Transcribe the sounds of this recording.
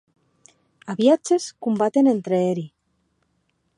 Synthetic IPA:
aβiat͡ʃeskumbat̪enent̪ɾeeɾi

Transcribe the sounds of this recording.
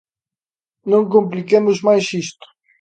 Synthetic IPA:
nɐ̃wŋk̬õmp̬likemʊzmajsiʃt̪ʊ̥

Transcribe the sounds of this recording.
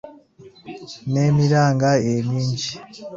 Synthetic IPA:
nemiɾaːŋɡaemiːɲɟi

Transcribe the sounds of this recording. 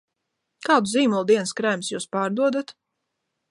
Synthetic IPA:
kaːd̪uziːmulˠd̪iɛnskɾæːmsjuːspaːɾd̪uɔd̪at̪

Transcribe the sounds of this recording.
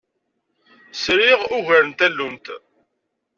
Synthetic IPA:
sɾɪʁuʝəɾənt̪ælːumt̪

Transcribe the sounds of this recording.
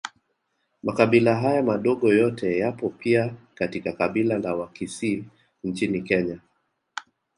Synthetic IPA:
makaɓilaɦajamaɗɔɠɔjɔtʰɛjapɔpiakatikakaɓilalawakisi | n̩t͡ʃinikɛɲa

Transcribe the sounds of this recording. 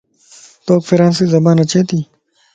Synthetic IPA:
t̪oːkfiɾãːnsizɐbãːnɐt͡ɕeːt̪iː

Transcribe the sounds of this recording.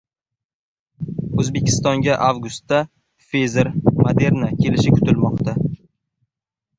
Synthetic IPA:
ɵzbe̞kʲʰɪ̥st̪ɒŋɡʲaʔavɡʊst̪ːa | fezeɾmad̪e̞ɾnakʲʰe̞lɪʃɪkʰʊ̥t̪ɪlmɒqt̪a

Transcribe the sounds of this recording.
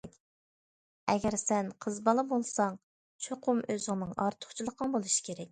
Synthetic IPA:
kʲ | ɛɡʲɛɾsɛnqʰəzbɑlˠəbolˠsɑŋ | t͡ʃʰoqʰʊmøzɪŋnɪŋʔɑ̰ɾt̪ʰʊ̥χt͡ʃʰilˠəqʰəŋbolˠuʃi̥kʲʰeɾɛk̚ʲ

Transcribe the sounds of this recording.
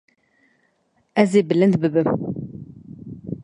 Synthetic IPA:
ɛzeːbɨlɨnd̪bɨbɨm

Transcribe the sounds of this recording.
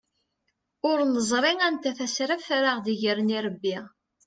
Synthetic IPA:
ʊɾnəzˤɾˤeŋænt̪æθæsɾæfɾaʁðiʝəɾəniɾˤəbːiʁ

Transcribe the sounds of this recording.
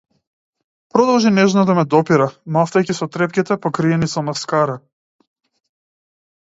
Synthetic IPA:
pɾɔd̪ɔlˠʒinɛʒnad̪amɛd̪ɔpiɾamaft̪ajkisɔt̪ɾɛp̚kʲit̪ɛpɔkɾiɛnisɔmaskaɾa

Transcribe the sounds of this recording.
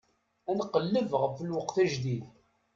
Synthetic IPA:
ænqːəlːəvʁəfːəlwəqθæʒd̪ið

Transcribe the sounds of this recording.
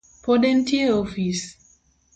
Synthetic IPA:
pɔdɛntʰieɔfis

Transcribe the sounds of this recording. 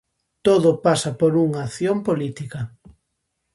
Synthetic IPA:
t̪oðʊpasɐpoɾuŋaːθjompolit̪ikɐ

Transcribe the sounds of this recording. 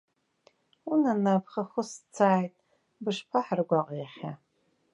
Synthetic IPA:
unanapʰχaχʊst͡sʰaːjtʼ | bɨʂpʰaħarɡʷaqʼejχʲa

